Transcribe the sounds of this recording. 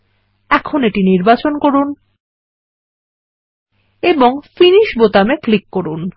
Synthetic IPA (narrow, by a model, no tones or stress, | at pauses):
ɛkʰoneʈiniɾbat͡ɕonkoɾun | eboŋfiniʃbot̪ameklikːoɾun